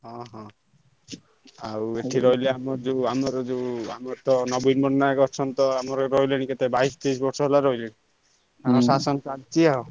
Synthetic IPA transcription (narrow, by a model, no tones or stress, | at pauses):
ɦɔ̃ɦɔ̃ | a̰weʈʰiɾɔɦileamɔd͡ʒeamɔɾɔd͡ʒea̰mɔt̪ɔnɔbinmɔɾnajkɔɾt͡ʃʰɔnt̪ɔamɔɾɾɔɦileniket̪ebaist̪isbɔɾsɔɦelaɾɔɦileni | amɔsasɔnsadt͡ʃʰiao